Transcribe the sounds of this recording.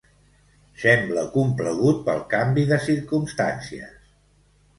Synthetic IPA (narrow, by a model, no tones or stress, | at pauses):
sɛmbləkumpləɣ̞ut̪̚pəlˠkambiðəsiɾkumst̪a̰nsiə̰s